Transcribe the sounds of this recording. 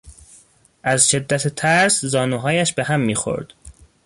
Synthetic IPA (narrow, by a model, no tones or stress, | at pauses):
ʔæzʃe̞d̪ːæt̪ʰet̪ʰæɾszɒːnuːɦɒːjæʃbe̞ɦæmːiːxo̞̰ɾd̪̥